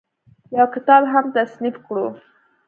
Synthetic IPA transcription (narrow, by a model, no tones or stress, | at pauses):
jawkɪt̪ɑbɦamt̪asnifkɽu